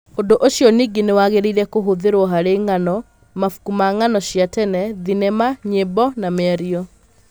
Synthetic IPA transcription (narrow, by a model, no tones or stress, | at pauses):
ondoʔoɕjɔniɡenewaɣeɾeiɾɛkoɦoðeɾwɔɦaɾeŋanɔ | mafu̥kumaŋanɔɕjatɛnɛðinemaɲebɔnamɛaɾiɔ